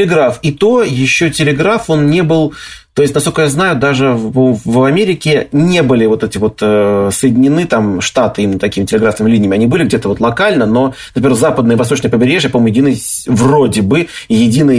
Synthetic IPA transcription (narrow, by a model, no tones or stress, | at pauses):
lʲɪɡɾafit̪o̞jɪɕːo̞tʲɪlʲɪɡɾafo̞nnʲebɨlˠt̪o̞jɪs̬ʲtʲnɐskokəjaznajʊd̪aʐɨvɐmʲeɾʲɪkʲɪnʲe̞bɨlʲɪvo̞t̪ɛtʲɪvo̞t̪əsəjɪdʲɪnʲːɪnɨt̪amʂt̪at̪ɨimʲɪnət̪ɐkʲimɪtʲɪlʲɪɡɾafnɨmʲɪlʲinʲɪjmʲɪɐnʲibɨlʲɪɡ̚dʲe̞t̪əvo̞t̪lˠɐkalʲnəno̞nəpʲmʲeɾxzapəd̪nəjəvɐst̪o̞t͡ɕnəjpəbʲɪɾʲeʐjapɐomnʲjɪdʲinɨj | vrodʲɪbɨjɪdʲinɨj